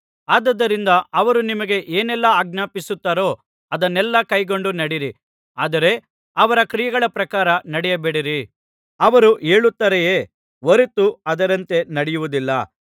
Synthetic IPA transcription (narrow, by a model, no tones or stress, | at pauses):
aːd̪ɐd̪ːɐɾind̪ɐɐʋɐɾunimɐɡe̞ʔeːnɛlːɐaːɡ̚naːpisut̪ːaːɾo̞ː | ɐd̪ɐnːɛlːɐkɐjɡo̞ɳɖunɐɽiɾi | aːd̪ɐɾe̞ | ɐʋɐɾɐkɾijɐɡɐɭɐpɾɐkaːɾɐnɐɽɛjɐbeːɽiɾi | ɐʋɐɾuʔe̞ːɭut̪ːɐɾejeː | ʋoɾet̪uɐd̪ɐɾɐnt̪e̞nɐɽɛjuʋud̪ilːɐ̰